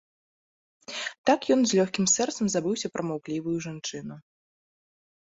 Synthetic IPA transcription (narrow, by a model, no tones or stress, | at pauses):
t̪akjɔnzʲlʲɔxʲkʲimsɛrt̪sɐmzabɨwsʲɐpɾʔɐmawklʲivujuʐant͡ʂɨn̪u